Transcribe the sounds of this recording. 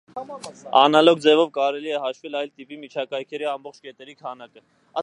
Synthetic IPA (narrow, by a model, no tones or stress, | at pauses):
ɑnɑlɔk̚d͡zɛvɔvkɑɾɛliɛɦɑʃvɛlɑjlt̪ipimit͡ʃʰɑkɑjkʰɛɾiɑmbɔχt͡ʃʰkɛt̪ɛɾikʰɑnɑkə | ɑ